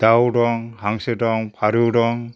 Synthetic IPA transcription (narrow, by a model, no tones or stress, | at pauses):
d̪̥awɾɔŋhaŋseɾɔŋpʰaɾɯɾɔŋ